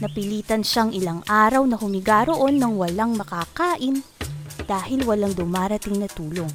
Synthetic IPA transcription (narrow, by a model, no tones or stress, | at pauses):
nɐpɪliːt̪ɐnʃaŋʔɪlaŋʔaːɾɐwnɐhʊmɪɡaːɾoʔo̞nːɐŋwɐlaŋmɐkakaːʔɪnd̪̥aːhɪlwɐlɐŋd̪ʊmaːɾɐt̪ɪŋnɐt̪uːlo̞ŋ